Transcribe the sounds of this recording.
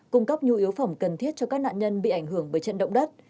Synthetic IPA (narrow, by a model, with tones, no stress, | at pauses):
kʊ˧ŋ͡mkə˦˥p̚ɲu˧ʔi˨˦əwfə˧˩mŋ͡mkə˨˩nt̪ʰi˦˥ət̚t͡ɕɔ˧kaː˦˥k̚na̰ː˧˨nɲə˧nɓḭ˧˨ʔa˧˩jŋ̟hɨ˧˩əŋvəː˨˦jt͡ɕə̰˧˨nɗə̰˧˨wŋ͡mɗə˦˥t̚